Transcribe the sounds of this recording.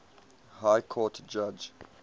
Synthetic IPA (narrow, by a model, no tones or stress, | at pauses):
hajkʰɔtd͡ʒad͡ʒ